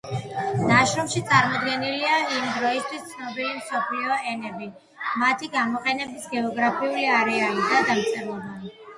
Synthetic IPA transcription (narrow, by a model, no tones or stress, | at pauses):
naʃɾɔmʃit̪sʼaɾmɔd̪ɡɛniliaimd̪ɾɔist̪ʰwist̪sʰnɔbilimsɔpʰliɔɛnɛbi | mat̪ʰiɡamɔqʼɛnɛbisɡɛɔɡɾapʰiuliaɾɛaid̪ad̪amt̪sʼɛɾlˠɔba